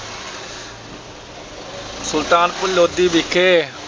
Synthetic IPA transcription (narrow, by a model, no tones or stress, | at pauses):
sʊlt̪aːnpʊlod̪ibikʰːe